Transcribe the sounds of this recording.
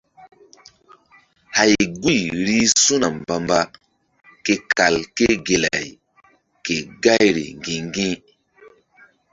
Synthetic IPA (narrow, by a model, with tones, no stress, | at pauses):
ha˨jɡu˦˨jɾi˦su˦na˨mba˨mba˦ | ke˨ka˨lke˦ɡe˨la̰˨j | ke˨ɡa˦jɾḭ˨ŋ˨ɡĩ˨ŋ˦ɡĩ˦